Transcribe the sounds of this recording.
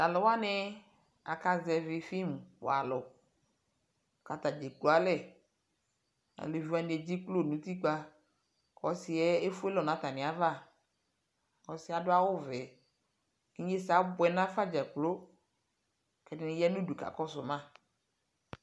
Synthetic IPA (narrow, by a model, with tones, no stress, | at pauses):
a˨lɪ˨wa˦nɪ˦ | a̰˨ka˨zɛ˨vɪ˨fi˦m˨wa̰˨lʊ˨ | ka˨t̪a˨d͡ʒe˨k͡pu˨a˨lɛ˦˨ | a̰˨lɪ˨vu˦a˨˦dɛ˨d͡ʑi˦k͡plo˦˨nũ˨˦t̪i˦k͡pa˦ | kɔ˨sɪ˨ɛ˦e˦fʊ˦e˦lɔ˨nã˨˦t̪a˨nɪ̃˨a˨va˦˨ | kɔ˨sɪ˦a˨dʊ˦a˦wʊ˦vɛ˨ | i˦ɲ˦e˦sa˦bʊ˨ɛ˨nã˦fa˦d͡ʒɛ˨k͡plo˦ | kɛ˨dɪ˨nɪ˨jɛ˦nũ˦du˨ka̰˨kɔ˦sʊ˨mã˦